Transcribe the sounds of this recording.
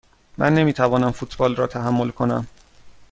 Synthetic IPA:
mʔæ̰nːe̞miːt̪ʰævɒːnæmfut̪ʰbɒːlrɒːt̪ʰæɦæmːolkʰo̞næ̰m

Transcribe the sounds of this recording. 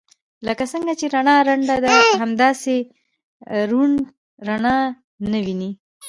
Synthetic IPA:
ləkasəŋɡat͡ʃeɾaɳɑɾaɳɖad̪aɦamd̪ɑse | ɾuɳ | ɾanɑ | nəwini

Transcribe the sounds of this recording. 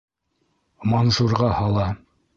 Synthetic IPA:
mɑnsuɾʁɑhɑlˠɑ

